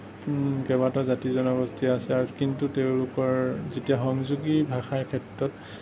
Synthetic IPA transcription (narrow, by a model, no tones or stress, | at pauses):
kɛbatɔzatizɔnɔɡɔstʰiasɛaɹukintuteʊ̃lʊkɔɹzetijaxɔŋzuɡibʱaxaɹkʰɛtɹɔt